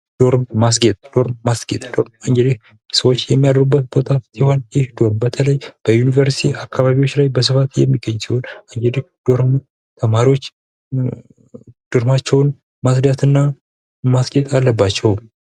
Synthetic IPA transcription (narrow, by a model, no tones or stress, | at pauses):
d̪̥o̞ɾmmas̬ɡet̪ʼd̥̪o̞ɾmmasɡet̪ʼd̪o̞ɾmaŋɡed̪eh | səwo̞t͡ʃːjɛmːijad̪əɾubːət̪̚bot̪ʼat̪siho̞njɪhd̪o̞ɾmbət̪ʰələjb̥əjunivəɾsi̥t̪ʰiakʰːaβaβiwot͡ʃːlajbəs̬ɨfat̪jɛ̰mːiɡːəɲːsiho̞naŋɡed̪ehd̪̥o̞ɾm | t̪ʰəmaɾiwo̞t͡ʃː | d̪̥ɨɾmat͡ʃːɛwn | masd̪at̪ɨnːa | masɡet̪ʼalːəbːat͡ʃːɛw